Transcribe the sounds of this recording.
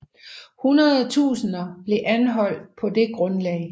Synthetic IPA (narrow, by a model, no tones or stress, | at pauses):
hunɐðˠt͡sʰṵːsən̩ɐb̥le̝ʔænɦɒ̽l̰d̥pʰɒ̽d̥e̝ɡ̥ʁɔ̽nlɛ̰ɪ